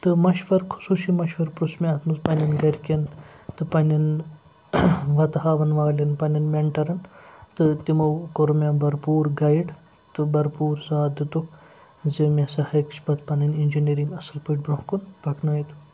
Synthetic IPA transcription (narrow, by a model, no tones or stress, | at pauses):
t̪ɨmɐʃʋɐɾkʰu̥suːʃimɐʃʋɐɾpɾusmʲiɐt̪ʰmɐzpɐnʲɐnɡɐɾʲkʲɐnt̪ɨpɐnʲɐn | ʋɐt̪ɦaːʋɐnʋaːlʲɐnpɐnɐnmeɳʈɐɾɐnt̪ɨt̪imɐwkoɾumʲabɐɾpuːɾɡɐjɖ | t̪ɨbɐɾpuːɾsaːd̪ɨt̪uk | zemʲesɐhɐkt͡ʃʰpɐt̪pɐnɐnind͡ʒiniːɾiŋɡɐsɐlpɨʈ̚bɾõɦkunbɐkʰnaːjit̪u̥